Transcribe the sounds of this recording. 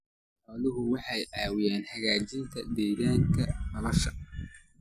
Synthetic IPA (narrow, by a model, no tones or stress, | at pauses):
aːðʊɦʊwɑħɑjʕɑːwɪjaːnħɐɣaːt͡ʃɪnt̪ʰɐd̪ɛːɣaːŋkʰɐmɐlɐʃɐ